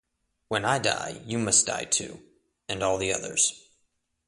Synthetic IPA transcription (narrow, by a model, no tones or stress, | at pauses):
wə̃naɪda̰ɪjɨmʌsd̥a̰ɪtʰʉ̰ | ɨ̃nɔlˠðiʌ̰ðə̰˞z̥